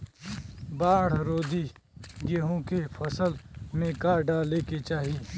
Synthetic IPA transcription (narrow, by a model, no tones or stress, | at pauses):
baːɽ̤ɾoːd̪i | ɡeɦõkepʰɐsəlmẽkaɖaleket͡ʃaːɦi